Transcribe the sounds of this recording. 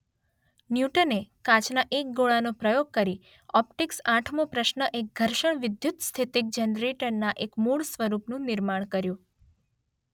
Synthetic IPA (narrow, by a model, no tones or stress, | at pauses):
njuʈənekãt͡ʃnaʔek̚ɡoɭanopɾəjoɡ̚kəɾi | ɔp̚ʈiksãʈʰmõpɾəʃnəʔek̚ɡʱəɾʃəɳʋɪd̪jut̪st̪ʰit̪ɪk̚d͡ʒənɾeʈəɾnaʔekmuɭsʋəɾupnũnɪɾmaɳ̃kəɾjũ